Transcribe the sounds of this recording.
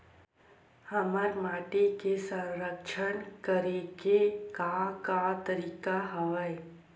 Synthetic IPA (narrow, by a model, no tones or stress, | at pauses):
həməɾmaːʈekesə̃ɾəkʃənkəɾeɡekakat̪əɾiːkaɦəʋəj